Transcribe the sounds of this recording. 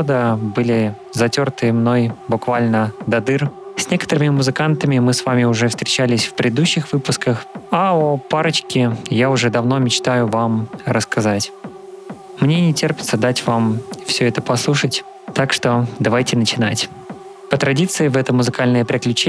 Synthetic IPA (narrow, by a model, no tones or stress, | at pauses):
od̪əbɨlʲɪ | zɐtʲo̞rt̪ɨəmno̞jbʊkvalʲnəd̪ɐd̪ɨrsʲnʲekət̪əɾɨmʲɪmʊzɨkant̪əmʲɪmɨsvamʲɪʊʐɛfst̪ɾʲɪt͡ɕælʲɪsʲfpɾʲɪd̪d̪uɕːɪxvɨpʊskəxaopaɾət͡ɕkʲɪjaʊʐɛd̪ɐvno̞mʲɪt͡ɕt̪ajʊvamɾəskɐzatʲ | mnʲe̞nʲɪtʲerpʲɪt̪səd̪atʲvamfsʲɵɛt̪əpɐslˠuʂətʲ | t̪akʂt̪o̞d̪ɐvajtʲɪnət͡ɕɪnatʲ | pət̪ɾɐdʲit̪sɨɪvɛt̪əmʊzɨkalʲnəjəpɾʲɪklʲʉt͡ɕe